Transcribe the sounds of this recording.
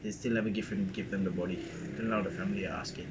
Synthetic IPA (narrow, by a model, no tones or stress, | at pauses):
ðestɪlnɛvəɡɪfə̃nɡɪvðɛ̃mðəbɔɾi | d̥ɛ̃nlaəfæmliə̰a̰skɪ̃ŋ